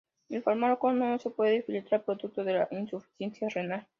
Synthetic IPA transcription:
elfaɾmaɾkonosepweðefilit̪ɾaɾpɾoðuk̚t̪oðela̰ʔinsufi̥θjensjarenal

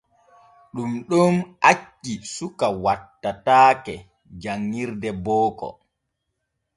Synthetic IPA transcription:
ɗumɗɔmʔat͡ʃːisukawatːataːkɛ | d͡ʒaŋːiɾdɛbɔːkɔ̰

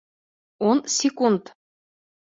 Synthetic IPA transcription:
onsʲekunt̪

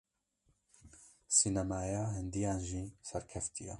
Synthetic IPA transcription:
sinɛmaːjaːɦɪnd̪ijaːnʒiːsɛɾkʰɛft̪ʰijɛ

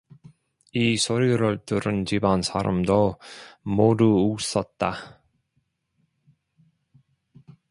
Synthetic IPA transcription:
isʰoɾiɾɯɭt͈ɯɾɯnd͡ʑibansʰaɾa̰mdomoduːs͈ʌt̚t͈a

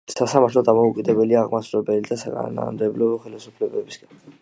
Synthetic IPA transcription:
sasamaɾt̪ʰlɔd̪amɔukʼid̪ɛbɛliaʁmasɾɛbɛlid̪asakʼa̰n̰na̰nɔ̰md̪ɛblɔɔχɛlisupʰlɛbɛbisɡan

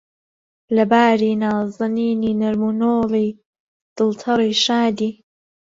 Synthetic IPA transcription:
lɐbaːɾiːnaːzɨniːniːnɐɾmunoːlij | d̪̥ɨlt̪ʰɐɾˤiːʃaːd̪iː

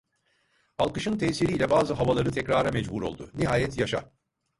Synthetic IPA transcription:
alˠkɯʃɯnt̪ʰɛːsiɾiːlʲɛbaːzɯɦavalˠaɾɯt̪ʰɛcɾaːɾamɛd͡ʒbuɾo̞̰lˠd̪uniɦaːjɛt̪jaʃa̰

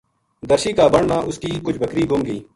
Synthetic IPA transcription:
d̪əɾʃiːkaːbəɳnãːʔʊskiːkʊt͡ʃʰbʱəkɾiːɡʱʊmɡəiː

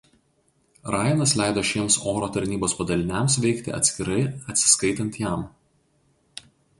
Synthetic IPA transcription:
ɾɑːjnɐslʲæˑɪd̪oːʃʲiɛmsoːɾoːt̪ɐɾʲnʲiːboːspɐd̪ɐlʲɪnʲɛms̬ʋʲɛɪkt̪ʲɪ̰ɐ̰t̪sʲkʲɪɾɐɪɐt̪ʲsʲɪ̥skɐɪt̪ɐnʲt̪jæˑm

